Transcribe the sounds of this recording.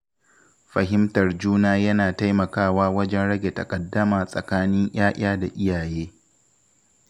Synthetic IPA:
ɸɐ˨ɦɪ˦mtɐ˨rd͡ʒuː˦naː˦jɐ˦naː˨ta˦jmɐ˨kaː˦˨waː˦wɐ˦d͡ʒɛ˦nɽɐ˦ɡʲe˨tɐ˨kʼɐ˨dːɐ˦maː˨sʼɐ˨kaː˦nɪ˦ɲj̰aː˦ʔʲaː˦da˨ʔɪ˦jaː˨jeː˦

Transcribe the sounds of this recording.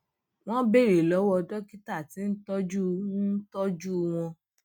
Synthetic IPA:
w̃ɔ̃˦be˦˨ɾe˨lɔ˨˦wɔ˧dɔ˦ki˦ta˦˨ti˨˦n̩˦tɔ˦d͡ʒu˦˧ũ˦n̩˦tɔ˦d͡ʒu˦˧w̃ɔ̃˧

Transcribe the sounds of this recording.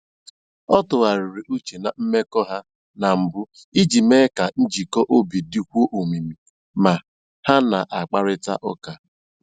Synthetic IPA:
ɔ˦tʊ˨ɣa˨ɾi˨ɾi˨ʔu˦t͡ʃe˨na˨m̩˦me˦kɔ˦ɦa˦ | na˨m̩˨bʊ˦ | i˦d͡ʒi˨me˦ka˨n̩˦d͡ʒi˨kɔ˦ʔo˦bi˨di˦kʷu˦o˦ʔo˨mi˨mi˨ | ma˨ | ha˦na˨ʔa˨k͡pa˦ɾɪ˦ta̰˦ʔɔ˦ka˨

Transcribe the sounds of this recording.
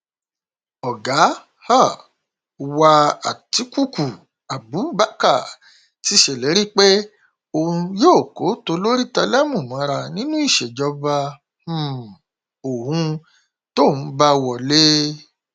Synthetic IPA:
ɔ˨ɡa˨˦ | ha˦˨ | wa˧a̰˨ti˨˦ku˦˨ku˨ | a˨bu˨˦ba˦ka˦˨ | ti˦ʃe˦˨lɛ˨˦ɾi˦k͡pe˦ | o˧hũ˧joː˦˨ko˨˦to˧lo˦ɾi˦ta˧lɛ˦mũ˦˨mã˨˦˧ɾa˧nĩ˦nũ˦i˦˨ʃe˨d͡ʒɔ˧˦ba˧˦˨ | o˨hũ˧ | to˦˨ñ̩˨˦ba˧wɔ˨le˦

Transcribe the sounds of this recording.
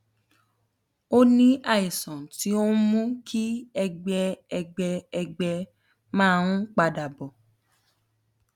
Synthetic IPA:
o˦nĩ˦ʔa˦˨i˨sɔ̃˨ti˦o˦mũ˦kʰi˦ɛ˧ɡ͡bɛ˧ɛ˧ɡ͡bɛ˧ɛ˧ɡ͡bɛ˧ | mãː˦˧ũ˦k͡pa˧da˨bɔ˨

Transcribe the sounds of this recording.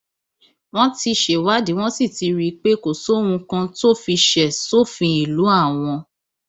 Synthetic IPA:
w̃ɔ̃˦ti˧ʃe˨wa˦di˨˦w̃ɔ̃˦si˦˨ti˨˧ɾi˧k͡pe˦ko˨so˨˦wũ˧kã˧to˦˨fi˧ʃɛ˨to˦˨fĩ˧i˨lu˨˦a˦˨w̃ɔ̃˧

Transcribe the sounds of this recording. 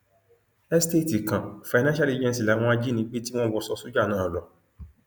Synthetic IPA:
ɛ˦ste˦˨ti˨kã˨fa˨nã˦ʃa˦le˦d͡ʒɛ̃˦ns̬i˨la˨˦w̃ɔ̃˦a˦d͡ʒi˦nĩ˨˦k͡pe˦ti˦w̃ɔ̃˦wɔ˧˦sɔ˧su˦d͡ʒa˦˨nãː˦˨lɔ˨

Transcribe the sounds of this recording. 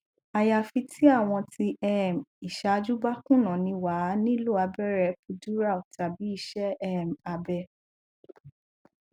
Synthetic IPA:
a˨ja˨fi˧tʰi˦a˦˨w̃ɔ̃˧tʰi˧ɛ˦˨mi˨ʃa˧d͡ʒu˦ba˦kũ˦˨nã˨nĩ˧wa˨˦nĩ˦lu˦˨a˧bɛ˦ɾɛ˧˨pu˧du˦ɾa˦˨o˨ta˨bi˨˦i˦˨ʃɛ˦ɛ˦˨ma˧bɛ˧

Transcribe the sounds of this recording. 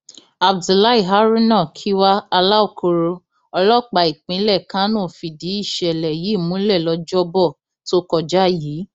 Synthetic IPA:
a˨b̚du˨la˦i˦˨ɦa˦ɾi˦nã˦˨kʰi˦wa˦a˧la˦o˦˨kʰo˧ɾo˧ | ɔ˧lɔ˦˨k͡pa˧˨i˨k͡pĩ˨˦lɛ˦˨kã˦nɔ̃˦˨fi˨di˨˦i˦˨ʃɛ˨lɛ˨ji˨˦˨mũ˨˦lɛ˦˨lɔ˧d͡ʒɔ˦bɔ˦˨ | to˦kɔ˧d͡ʒa˦jiː˨˦

